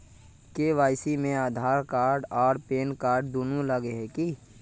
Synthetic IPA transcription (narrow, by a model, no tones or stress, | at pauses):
keʋaːɪsimẽaːd̪ʱaːɾkaːɾɖɔːɾpeːnkaːɾɖ̚d̪uːnuləɡeɦɛki